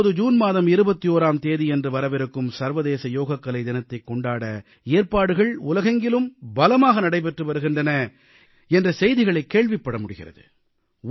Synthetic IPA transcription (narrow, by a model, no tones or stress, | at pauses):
ðɯd͡ʒuːnmaːðɐmɪɾɯbɐt̪ːijoːɾaːmt̪eːðiɛndrɯʋɐɾɐʋɪɾɯkːɯmsɐɾʋɐðeːsɐjoːɣɐkːɐlɐɪd̪ɪnɐt̪ːɐɪkːɔɳɖaːɽɐ | eːɾpaːɽɯɣɐɭʊlɐɣɐŋɡɪlɯmbɐlɐmaːɣɐnɐɽɐɪp̬ɛʈrɯʋɐɾɯɣɪndrɐnɐ | ɛndrɐsɛjðɪɣɐɭɐɪkːeːɭʋɪpːɐɽɐmʊɽɯɣɪ̰rɐ̰ðɯ̰